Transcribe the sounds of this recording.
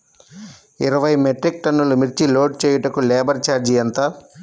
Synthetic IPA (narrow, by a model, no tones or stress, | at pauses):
iɾɐʋɐjmeʈɾik̚ʈɐnːulumiɾt͡ʃiloːɖ̚t͡ʃeːjɐʈɐkulɛːbɐɾt͡ʃaːɾd͡ʒiɐnt̪aː